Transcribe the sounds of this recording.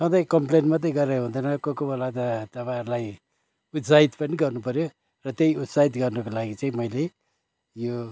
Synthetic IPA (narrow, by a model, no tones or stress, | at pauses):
sʌd̪ʌjkʌmplenmat̪̬ʌjɡʌɾeɾɦũnd̪ʌnʌkokobʌlat̪ʌt̪ʌpãʌɾulaj | ut̪sait̪pʌniɡʌrnupʌɾjo | rʌt̪jejut̪sait̪ɡʌrnʌkolaɡit͡saĩmʌjle | jo